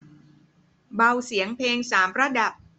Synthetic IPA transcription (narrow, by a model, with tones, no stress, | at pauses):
ba˧wsi˩˦əŋpʰeː˧ŋsaː˩˦mpɾa˧˥da˨˩p̚